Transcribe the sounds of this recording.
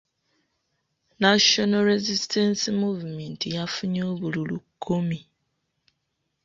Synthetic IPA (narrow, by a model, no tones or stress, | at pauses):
naʃonoɾezistʰensimuvumentijafuɲoːβululukʰːumi